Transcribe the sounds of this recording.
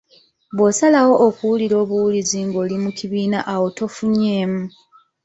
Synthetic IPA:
βwo̞salawo̞ʔːkuwuliɾo̞ːβuwuliziŋɡo̞ːlimukiβiːnaʔawo̞to̞fuɲe̞ːmu

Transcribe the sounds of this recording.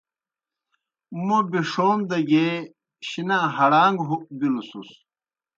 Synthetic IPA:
mobiʂoːmd̪ɐɡe | ɕinaɦɐɽaːŋɡɦubilusṵs

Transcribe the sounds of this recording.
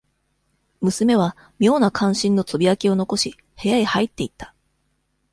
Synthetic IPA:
mɯ̟sɨme̞β̞a | mʲo̞ːnakʰãɰ̃ɕĩnːo̞t͡sobʲiakʲio̞no̞ko̞ɕi | he̞jaihait̪ːe̞it̪ːḁ

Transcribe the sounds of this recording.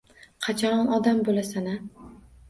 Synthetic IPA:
qʰɑt͡ʃʰaɾɒnɒd̪ambolasana

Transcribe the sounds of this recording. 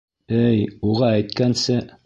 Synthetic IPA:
ɘjuʁɑæjt̪̚kænsɘ

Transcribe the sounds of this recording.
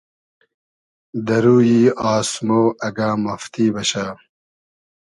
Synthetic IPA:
d̪ɐɾuːjiːaːsmoːɐɡaːmɐft̪iːbɐɕa

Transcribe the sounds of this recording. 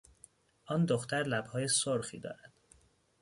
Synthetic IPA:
ʔɒːnd̪oxt̪ʰæɾlæbhɒːjesoɾxḭːd̪ɒ̰ːɾæd̪̥

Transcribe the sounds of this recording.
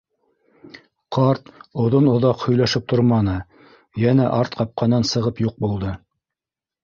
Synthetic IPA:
qɑɾt̪ŏðonŏðɑqhɵ̆jlæʃɘp̚t̪ʰoɾmɑnɤ | jænæʔɑɾt̪qɑp̚qɑnːɑnsɤ̆ʁɤpjuq̚bulˠd̪ɤ

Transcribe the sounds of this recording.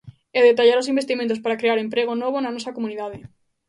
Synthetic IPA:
eðet̪aʎaɾosimbest̪imẽnt̪̬os̬paɾakɾeaɾempɾeɣ̞onoβ̞onanɔsɐkomuniðaðe

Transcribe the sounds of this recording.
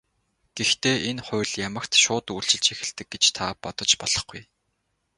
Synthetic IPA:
ɡ̥ext̪ʰeːʔenχʊ̟ːɮjamə̆kt̪ʃʊːt̪uːɬt͡ɕɪ̆ɮt͡ɕexɘ̆ɮt̪ɘ̆k̚ɡet͡ɕt̪ʰapɔt̪ɞ̆t͡ɕpɔɮ̥ɞ̆χɡuj

